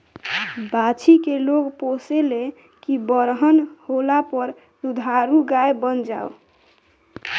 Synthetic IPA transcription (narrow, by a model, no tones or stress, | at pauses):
bat͡ʃikeloɡposele | kibəɾɦənholapəɾ | sud̪ʱaɾuɡaebənd͡ʒao